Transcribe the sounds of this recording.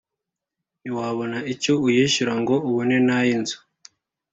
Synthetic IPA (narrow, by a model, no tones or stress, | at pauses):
niwaːβonaicoujeʃiɾaŋɡo̞uβune̞najinzu̥